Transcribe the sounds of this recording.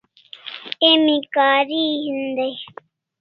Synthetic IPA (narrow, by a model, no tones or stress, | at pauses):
emĩkaːɾiɦind̪aj